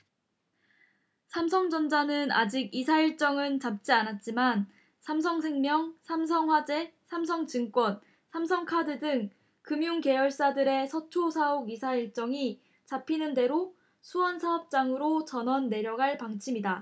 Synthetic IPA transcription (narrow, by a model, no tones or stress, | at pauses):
sʰamsʰʌŋd͡ʑʌnd͡ʑanɯna̰d͡ʑiɡisʰaiɭt͡ɕ͈ʌŋɯnt͡ɕap̚t͡ɕ͈ianat̚t͡ɕ͈iman | sʰamsʰʌŋsʰe̞ŋmjʌŋsʰams̬ʰʌŋɸwad͡ʑe̞sʰamsʰʌŋt͡ɕɯŋk͈wʌn | sʰamsʰʌŋkʰadɯdɯŋ | kɯmjuŋke̞jʌɭs͈adɯɾe̞sʰʌt͡ɕʰosʰaoɡisʰaiɭt͡ɕ͈ʌŋi | t͡ɕapʰinɯnde̞ɾo | sʰuʌnsʰaʌp̚t͡ɕ͈aŋɯɾot͡ɕʌnʌnːe̞ɾjʌɡɦaɭpaŋt͡ɕʰimida